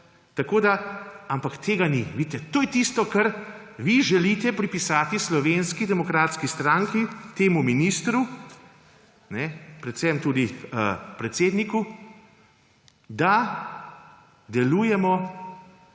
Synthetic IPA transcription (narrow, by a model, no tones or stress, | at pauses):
t̪akoːd̪aampakt̪ʰeːɡaniʋit̪ɛt̪oːjɛt̪ist̪ɔkɐɾ | ʋiʒɛliːt̪ɛpɾipisaːt̪islɔʋenskid̪ɛmɔkɾaːt̪skist̪ɾaŋkit̪eːmuminist̪ɾu | nɛpɾɛt̪sɛmt̪uːd̪iəpɾɛt̪seːd̪niku | d̪a | d̪ɛluːjɛmɔ